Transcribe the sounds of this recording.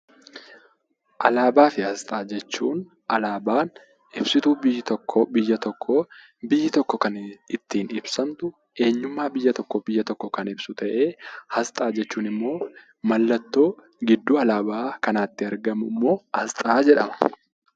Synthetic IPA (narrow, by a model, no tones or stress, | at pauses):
ʔɐlaːbaːfɪhɐst̪ʼaːd͡ʒɛt͡ʃːṵːn | ʔɐlaːbaːn | ʔɪbsɪt̪uːbɪjːɪt̪ɔkʰːɔbɪjːɐt̪ɔkʰːɔ | bɪjːɪt̪ɔkːɔkɐnɪt̪ːiːnɪbsɐnt̪ʊ | e̞ːɲːʊmːaːbɪjːɐt̪ɔkːɔbɪjːɐt̪ɔkːɔkɐnɪbsʊt̪ɐʔe̞ːhɐst̪ʼaːd͡ʒɛt͡ʃːuːnɪmːo̞ː | mɐlːɐt̪ːo̞ː | ɡɪd̪ːuːɐlaːbaːkɐnaːt̪ːɪɐɾɡɐmʊmːo̞ːhɐst̪ʼaːd͡ʒɛᶑɐmɐ̥